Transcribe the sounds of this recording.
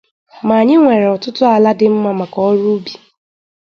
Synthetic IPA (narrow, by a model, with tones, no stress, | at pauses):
ma˨a˨ɲɪ˦ŋʷe˨ɾe˨ɔ˨tʊ˦tʊ˦a˨la˦dɪ˦m̩˦ma˨ma˨kɔ˦ɾu˦bi˨